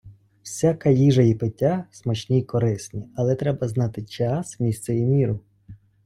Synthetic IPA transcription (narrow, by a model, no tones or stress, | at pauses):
wsʲakɐjiʒɐjipɪtʲːasmɐt͡ʃnʲikɔɾɪsnʲiɐlˠɛt̪ɾɛbɐznɑt̪ɪt͡ʃaɑsmʲisʲt̪sɛjimʲiɾʊ